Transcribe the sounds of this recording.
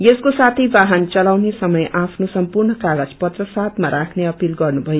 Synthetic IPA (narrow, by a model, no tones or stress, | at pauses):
jeskosat̪ʰijbaɦant͡sʌlawnesʌmʌjʔapʰnosʌmpurnʌkaɡʌt͡spʌt̪rʌsad̪maɾakʰneʌpilɡʌrnubʱʌjo